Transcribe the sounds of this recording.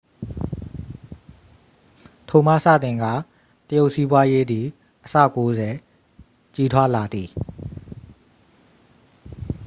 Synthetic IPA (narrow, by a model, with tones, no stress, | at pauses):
tʰo˨ma̰˦˨sä̰˦˨t̪ɪ̃˨ŋɡa̰˦˨ | təjo˦ʊʔsi˦bwa˦je˦d̪i˨ | ʔəsa̰˦˨ko˦zɛ˨ | t͡ɕi˦tʰwa˦la˨d̪ði˨